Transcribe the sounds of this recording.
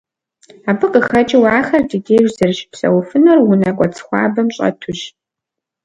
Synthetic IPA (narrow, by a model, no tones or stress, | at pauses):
aːbɨqʼəxɐt͡ʃʼɪwɑːxɐrdiɡʲeːʒzɐrʃpsɐ̰wʊfɨnɐrwʊnɐkʷʼɔt͡sʰxʷɑ̰ːbɐmɕʼɐ̰tʰʊɕ